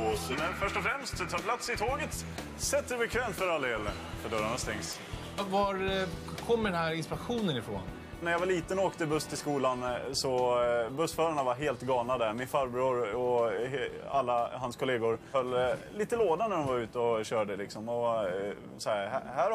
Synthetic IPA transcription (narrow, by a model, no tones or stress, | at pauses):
nɛfœʂʈɔfɾɛmst̪t̪ʰɑːpʰlat̪sɪt̪ʰoːɡət̪ | sɛt̪ːəɾɛbɛkʰvɛːmt̪fœɾald̪eːlːə | fœɖœɾaɳast̪ɛŋs | vaɾkʰɔmːəɖɛnɦæɾɪnspɪɾaɧuːnənɪfɾo̰ːn | næɾjavaɭiːt̪ənɔoːkt̪əɪbɵst̪ʰɪlskuːlansɔbɵsfœːɾaɳavaɾɦeːlt̪ɡɑːlnad̪æɾmɪnfœɾbɾuːɾɔ | alːaɦanskʰʊleːɡʊɾhœlːliːt̪əloːd̪anæɖɔnvaɾʉ̟ːt̪əɔɕœːɖəlɪksɔmɔ | sɔæɾhæhæːɾ